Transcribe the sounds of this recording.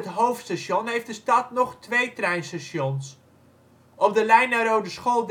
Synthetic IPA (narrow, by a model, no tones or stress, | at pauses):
ətɦowftstaʃjɔnɦejftdəstɑtnɔχtʋejtrɛjnstaʃjɔns | ʔɔp̚dəlɛjnarowdəsχoːlˠd